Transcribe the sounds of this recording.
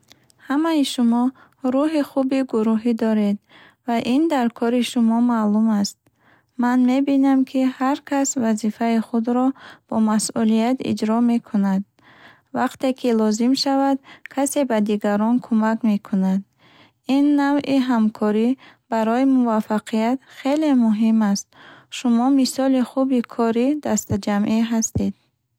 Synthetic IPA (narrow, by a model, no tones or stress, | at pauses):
hamajiʃumɔ | ɾuɦiχubiɡuɾuɦid̪ɔɾe̞d̪ | vaʔind̪aɾkʰɔɾiʃumɔmalumast̪̚ | manme̞binamkʰihaɾkʰasvazifaiχud̪ɾɔb̥ɔmasʔulijat̪ḭd͡ʒɾɔme̞kʰunad̪̚ | vaqt̪e̞kʰilɔzimʃavad̪kʰase̞bad̪iɡaɾɔnkʰumakme̞kʰunad̪ | inːavʔiɦamkʰɔɾib̥aɾɔimuvafːaqʰijat̪χe̞le̞muɦimast̪̚ʃumɔmisɔliχubikʰɔɾid̪ast̪ad͡ʒamʔiɦast̪ed̪̥̚